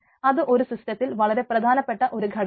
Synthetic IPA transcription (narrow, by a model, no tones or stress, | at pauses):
ɐðɨʔoɾusisʈɐt̪ːilʋɐɭɐɾeprɐd̪ʱaːnɐpːeʈːɐʔoɾɯɡʱɐɽ